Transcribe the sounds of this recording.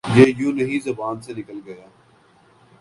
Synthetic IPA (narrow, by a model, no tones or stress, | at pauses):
jeːjũːnɐɦĩzɐbaːnsenɪkəlɡɐjaː